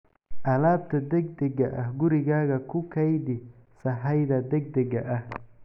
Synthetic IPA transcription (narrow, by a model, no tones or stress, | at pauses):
ʔɐlaːb̚t̪ʰɐd̪ɛɡ̚d̪ɛɡɐʔɐhɡʊɾɪɣaːɣɐkʰʊkʰɐjd̪ɪ | sɐɦɐjðɐd̪ɛɡ̚d̪ɛɡɐʔɐh